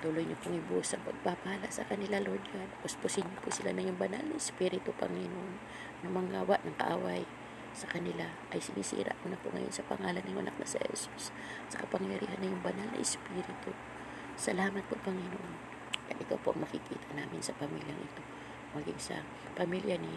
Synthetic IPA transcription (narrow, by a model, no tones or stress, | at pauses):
t̪uːlojɲopʊŋɪbusɐpɐɡ̚pabɐhalaʔsɐkɐnɪlalod͡ʒad̪apospʊsɪɲːopʊsɪlanɐjʊŋbɐna̰lnɐʔɪspiːɾɪt̪ʊpɐŋɪnoʔon | nʊmɐŋaːwaʔnɐŋkɐ̰ʔa̰ːwaj | sɐkɐnɪla | ʔɐjsɪniːsḭːɾa̰ʔkonɐpʊ̰ʔŋɐ̰jonsɐpɐ̰ŋaːlanɪŋɐ̰na̰k̚nɐ̰sɪhɛ̰su̥s | sɐkɐpɐŋjɐɾḭːhanːɐjʊŋbɐnalnɐ̰ʔɪspiːɾɪt̪ʊ | sɐlaːmɐt̪̚popɐŋɪnoʔon | d̥̪anʔɪkawpoʔɐŋmɐkɪkḭːt̪ʰanaːmɪnsɐpɐmiljɐŋʔɪt̪o̞ | mɐɡɪŋsɐ̰ | pɐmiljani